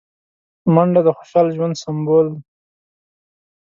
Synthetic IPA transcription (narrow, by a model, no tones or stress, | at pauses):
maɳɖad̪əxo̥ʃɑlʒwand̪sambold̪